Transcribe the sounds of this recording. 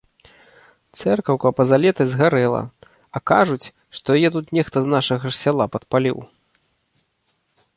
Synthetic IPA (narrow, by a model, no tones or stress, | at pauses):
t̪sɛrkɐwkɐpɐzalʲɛt̪ɨzɣaɾɛlˠɐ̰ | ɐkaʐut͡sʲ | ʂt̪ɔjajɛt̪̬ut̪nʲɛxt̪ɐznaʂɐɣɐsʲalˠapɐt̪̚palʲḭw